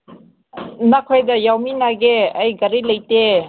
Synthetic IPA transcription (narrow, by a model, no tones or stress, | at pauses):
nakʰojdɐjawminaɡeɐjɡɐɾilɐjte